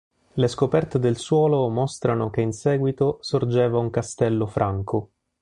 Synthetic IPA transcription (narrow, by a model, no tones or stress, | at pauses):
leskopɛrt̪ed̪elswɔːlomɔst̪ɾanokeinsɛːɡwit̪osord͡ʒɛːvauŋkast̪ɛlːofɾʔaŋkʰo